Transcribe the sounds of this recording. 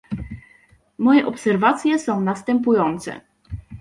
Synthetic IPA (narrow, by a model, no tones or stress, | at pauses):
mɔjɛʔɔpsɛɾvat̪sʲjɛsɔ̃w̃nast̪ɛmp̬ujɔnt̪sɛ̰